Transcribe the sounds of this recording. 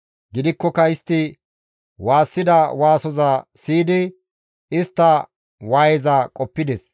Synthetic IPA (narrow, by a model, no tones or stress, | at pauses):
ɡɪd̪ɪkːɔkɐɪst̪ːɪ | waːsːɪd̪ɐwaːsɔzasiːd̪ɪ | ɪst̪ːɐ | waːjɛzɐkʼɔpːɪd̪ɛs